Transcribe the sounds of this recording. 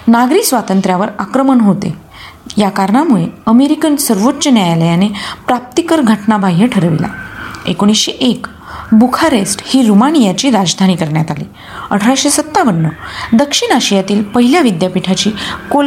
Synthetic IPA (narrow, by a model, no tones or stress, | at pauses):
naɡɾisʋat̪ənt̪ɾjaʋəɾakɾəməɳɦot̪ḛ | jakaɾɳamuɭeəmeɾikənsəɾʋotːt͡ɕənjajaləjanepɾap̚t̪ikəɾɡʱəʈnabʱaɦjəʈʰəɾʋḭla̰ḛkoɽ̃isɕeʔek | bukʰaɾesʈhiːɾumaɽ̃ijat͡ɕiːɾad͡zd̪ʱañiːkəɾɳjat̪alḭː | ə̰ʈʰəɾaɕesət̪ːaʋənːəd̪əkʂiɳaɕijat̪iːlpəɦiljaʋid̪japiʈʰat͡ɕiːkol